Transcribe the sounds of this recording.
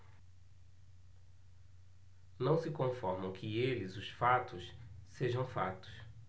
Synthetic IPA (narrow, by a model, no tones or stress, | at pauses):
nɐ̃w̃sɪkõfɔɾmɐ̃w̃kʰɪelɪzʊsfat̪ʊsseʒɐ̃w̃fat̪ʊ̥s